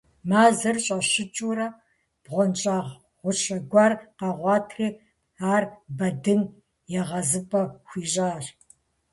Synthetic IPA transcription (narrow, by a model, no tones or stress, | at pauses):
maːzɐrɕʼɐɕɪt͡ʃʼuːɾɐ | b̥ʁʷɔnt͡ʃʼaːʁ | ʁʷʊɕɐɡʷɑːrqɑʁʷɑːtʰriː | aːrbɐdɨn | jɛʁɐzɨpʼɐxʷiːɕʼaːr